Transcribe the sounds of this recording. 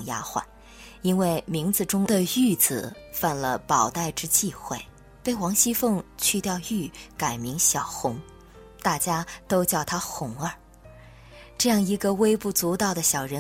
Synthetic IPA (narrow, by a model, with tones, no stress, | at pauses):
ŋja̰˥xwa̰˥˩n | i˥nwe˥˩ɪmi˧˥ŋt͡sɹ̩˧ʈ͡ʂʊ˥ŋd̪ə˨y˥˩t͡sɹ̩˨˩fa˥˩nlə̰˧˩pɑ˨˩ʊt̪a˥˩ɪʈ͡ʂɻ̩˥t͡ɕi˥˧xwe˥˩ɪ | pe˥˩ɪwɑ˧˥ŋɕi˥fɤ˥˧ŋt͡ɕʰy˥˧t̪jɑ˥˧ʊy˥˩ka˨˩ɪmi˧˥ŋɕjɑ˨˩ʊxʊ˧˥ŋ | t̪a˥˩t͡ɕja˥t̪o˥ʊt͡ɕjɑ˥˩ʊt̪ʰa˥xʊ˧˥˩ŋə˞˥˨˩ | ʈ͡ʂɤ˥˧jɑ˥˩ŋi˧˥ɡə˧we˥ɪpu˥˩t͡su˧˥t̪ɑ˨˩ʊd̪ə˦ɕjɑ˨˩ʊɻə˧˥